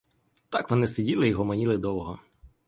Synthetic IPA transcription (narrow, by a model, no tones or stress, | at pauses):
t̪ɑkʋɔnɪsɪdʲilˠɪjɦɔmɔnʲilˠɪd̪ɔʋɔɦɔ